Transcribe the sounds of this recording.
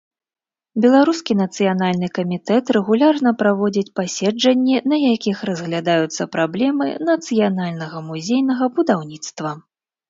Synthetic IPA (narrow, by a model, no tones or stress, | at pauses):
bʲɛlˠaɾuskʲin̪ɐt̪sɨjan̪alʲnɨkɐmʲit̪ɛt̪ɾɛɣulʲarnɐpɾavɔd͡zʲit͡sʲpasʲɛd͡ʐɐnʲːinɐjakʲixrɐzɣlʲad̪ajut̪sːɐpɾablʲɛmɨ̰nɐt̪sɨjanalʲnɐɣɐmuzʲejnɐɣɐbud̪awnʲit̪st̪vɐ